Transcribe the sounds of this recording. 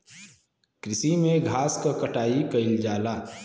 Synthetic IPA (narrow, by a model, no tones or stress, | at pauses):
kɾɪsimeɡʱaskəkəʈaikəɪld͡ʒala